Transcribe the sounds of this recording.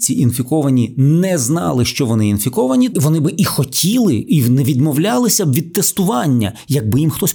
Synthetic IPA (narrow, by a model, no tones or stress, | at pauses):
t͡sʲiʔinfʲikɔʋɐnʲinɛznɑ̰lˠɪʃt͡ʃɔʋɔnɪinfʲikɔʋɐnʲiʋɔnɪbɪʔixɔtʲʰilˠɪinɛʋʲid̪mɔwlʲɑlˠɪsʲɐbʋʲid̪̚t̪ɛst̪ʊʋɑnʲːɐ̰jɐɡ̚bɪjimxt̪ɔsʲ